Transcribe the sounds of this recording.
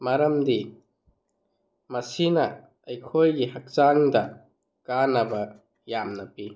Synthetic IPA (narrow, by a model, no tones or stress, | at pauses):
maɾɐmdi | mɐsinɐː | jkʰojɡihɐk̚t͡ʃaŋdɐ | kanɐbɐ | jamnɐpi